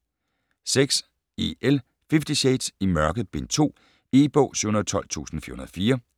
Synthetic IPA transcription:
seɡ̥s | eel | fefd̥iɕeɪd̥simɶɐɡ̥ð̩ˠb̥ent͡sʰo̝̰ː | eb̥ɔ̰ːsuhunɐðˠt͡sʰɒ̽l̰t͡sʰṵːsn̩fḭɐhunɐðˠfiːɐ

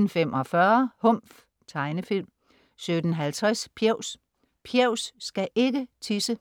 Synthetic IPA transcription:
n̩femʔɒ̽fɶɐhɔ̽m̰f | t͡sʰɑ̈ɪnəfil̰m | sød̥n̩ɦælt͡sʰʁɛspʰjeʊs | pʰjɛʊ̰sːɡ̥æʔe̝ɡ̥ət͡sʰisə

